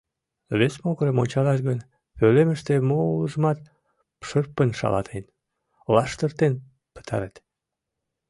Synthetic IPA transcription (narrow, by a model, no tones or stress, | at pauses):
βesmoɣəɾəmonʲt͡ɕɑlɑʃ̬ɣən | pøleməʃt̪emouləʒəmɑt̪̚ | pʃərpənʃɑ̰lɑ̰t̪ʰen | lɑʃt̪ərt̪en | pə̥t̪ʰɑ̰ɾet̪